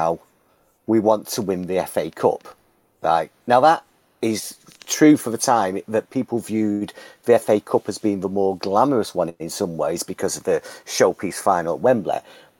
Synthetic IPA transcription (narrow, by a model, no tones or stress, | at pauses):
ʊ | wiwɒ̃ntʰəwɪ̃nðiɛfeɪkʰʊ̰p | la̰ɪk̚naʊðəɾ | ɪz̥tʰɹ̥ʉːfəðətʰãɪ̃mðəʔ̚pʰiˑpl̩ˠvjʉːd̪ðiɛfeɪkʰʊpəzbĩnðəmɔːɡlaməɹəswʌ̃nɪ̃nsʊ̃mweɪzbɨkʰʌzʌvðəʃoʊpʰisfaɪ̃nəlˠwɛ̃mblɛ̰